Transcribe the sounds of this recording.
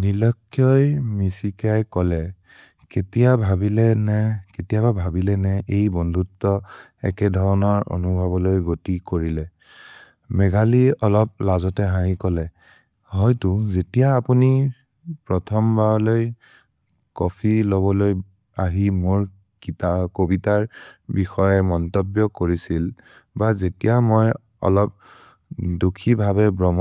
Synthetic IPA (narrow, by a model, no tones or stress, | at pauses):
nilɔkʰːjɔjmisikajkɔlɛ | ketijabʱabilɛnɛketijababʱabilɛnɛʔejbɔndʱutːɔ | ɛ̰kɛdʱɔɹɔnɔɹo̰nubʱɔbɔlojɡotikoɹilɛ | mɛɡaliɔlɔp̚lazɔtɛɦaikɔlɛ | ɦɔjtuzetijaːpuni | pɹɔtʰɔmbʱaɔloj | kɔpʰiloβɔloj | aɦimʊɹ | kitakobitaɹbixɔjɛmɔntɔbjɔkoɹisil | bazetijamoj | ɔ̰lɔp̚ | dukʰibʱaβɛbɹɔm